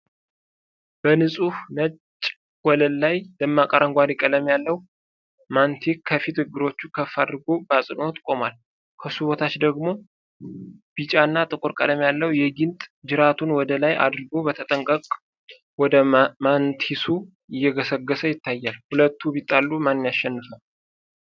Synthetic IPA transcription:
b̥ənɨsʼuhnət͡ʃʼː | wɔləlːajləmːakʼəɾəŋɡʷaɾikʼələmjalːəwu | mant̪ʰikkʰːəfit̪ɨɡːɨɾo̞t͡ʃːukʰəfːad̪ɨɾɡo̞basʼɨno̞t̪ʼkʼo̞mal | kʰəsuβot̪ʰat͡ʃd̪əɡmo̞ | b̥it͡ʃʼanːat̪ʼɨkʼuɾkʼə̰ləmjalːəwjɛɡɪnt̪ʼd͡ʒɨɾat̪ʰunwɔd̪əlaja̰d̪ɨɾɨɡo̞bət̪ʰət̪ʼəŋkʼəkʼ | wɔd̪əmant̪ʰisu | ɪjːɛɡəsəɡːəsəjɪt̪ʰːajːalhulət̪ʰːubit̪ʼːalːumanːɨnjaʃːɛnːɨfəm

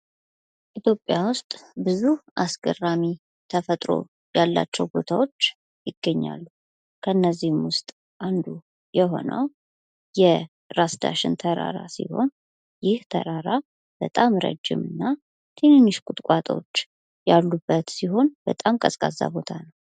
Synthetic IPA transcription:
ʔit̪ʰjo̞pʼːjawʊst̪ʼbɨzuʔasɡərami | t̪ʰəfət̪ʼɾo̞̰ | jalːa̰t͡ʃːɛwbo̞t̪ʰawo̞t͡ʃː | jɪɡ̥ːəɲːa̰lːu | kʰəɨnːəzːihmwʊst̪ʼ | ʔand̪u | jɛɦo̞̰nə̰w | jɛ | ɾasd̪a̰ʃɪnt̪ʰəɾa̰ɾa̰sḭho̞̰n | jɪht̪ʰə̰ɾaɾa | b̥ət̪ʼamɾə̰d͡ʒːɪ̰mɨnːa | t̪ʰenɨnːɨʃkʼʊt̪ʼkʷʼat̪ʼot͡ʃː | jalːubːət̪siɦo̞nbət̪ʼamkʼəsʼkʼazːa̰bo̞t̪ʰanəw

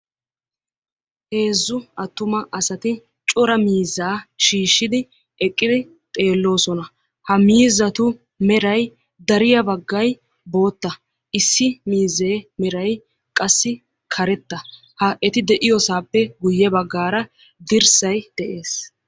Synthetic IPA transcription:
he̞ːzːʊɐt̪ːʊmɐʔɐsɐt̪ɪ | t͡ʃʼɔɾɐmiːzːaːʃiːʃːɪd̪ɪ | ɛkʼːɪd̪ɪ | t̪ʼe̞ːlːo̞ːsɔnɐ | hɐmiːzːɐt̪ʊ | mɛɾɐj | d̪ɐɾɪjɐbɐɡːɐj | bo̞ːt̪ːɐ | ʔɪsːɪmiːzːeːmɛɾɐj | kʼɐsːɪ | kʰɐɾɛt̪ːɐ | hɐʔɛt̪ɪd̪ɛʔɪjɔsaːpːɛɡʊjːɛbɐɡːaːɾɐ | d̪ɪɾsɐjd̪̥ɛʔe̞ːs

